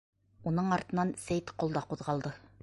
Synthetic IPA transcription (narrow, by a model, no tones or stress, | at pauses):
unɤɴɑɾt̪ɤ̆nɑnsæjt̪qŏlˠd̪ɑquðʁɑlˠd̪ɤ